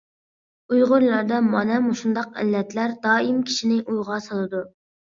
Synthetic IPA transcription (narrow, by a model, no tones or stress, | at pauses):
ujʁʊɾlˠɑɾd̪ɑmɑnɛmuʃund̪ɑq̚ɛ̰lːɛt̪læɾd̪ɑːimkʲʰi̥ʃinɪʔujʁɑsɑlˠɨd̪u